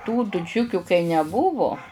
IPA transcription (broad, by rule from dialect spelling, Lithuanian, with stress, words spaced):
tuː tʊˈt͡ʃʲʊkʲʊ kɐɪ nʲɛˈbʊʋʊ